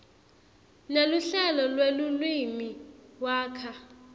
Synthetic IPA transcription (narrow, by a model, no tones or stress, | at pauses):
neluɬɛlɔlwelulwimiwaːkʰa